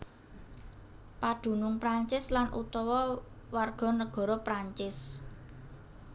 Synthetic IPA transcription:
pad̪̥ṳnʊŋpɾaɲt͡ʃɪslanʔṵt̪ɔwɔ | warɡ̥ɔ̤nəɡ̥ɔ̤ɾɔpɾaɲt͡ʃɪs

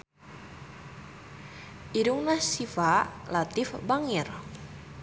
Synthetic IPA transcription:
ʔiɾuŋnasifalat̪ɪfbaŋir

